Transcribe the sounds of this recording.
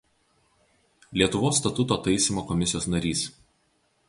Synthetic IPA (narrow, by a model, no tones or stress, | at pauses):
lʲiɛt̪ʊʋoːsːt̪ɐt̪ʊt̪oːt̪ɐɪsʲɪmoːkɔmʲɪsʲɪjoːsnɐɾʲiːs